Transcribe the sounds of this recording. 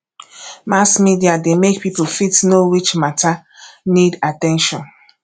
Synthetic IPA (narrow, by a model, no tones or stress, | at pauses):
maskmidiademekpiplfitnowit͡ʃmatʰanidatɛ̃nʃɔ̃n